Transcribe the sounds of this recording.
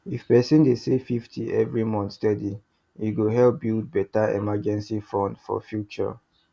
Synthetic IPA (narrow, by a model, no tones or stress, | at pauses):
ifpɛsĩndesefiftʰiɛvɹimɔ̃nθstɛdi | iɡoɦɛlp̚bild̚bɛtaɛ̰mad͡ʒɛ̃nsifɔ̃ndfɔ̰fjut͡ʃɔ̰